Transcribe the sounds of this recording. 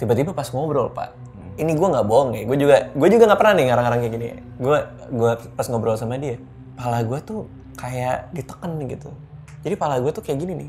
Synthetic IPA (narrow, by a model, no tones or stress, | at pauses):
t̪ibat̪ibapasŋobɾɔ̰lpa̰ʔ | iniɡuaŋɡaʔboŋɪɡuad͡ʒuɡaɡuad͡ʒuɡaŋɡaʔpərnanɪŋaɾaŋaɾaŋkajaɡinḭ | ɡua | ɡuapasŋobɾɔlsamadia | palaɡuat̪u | kajaʔdit̪ə̥kənɡḭt̪u | d͡ʒadipalaɡuat̪ukajaɡininɪ̰h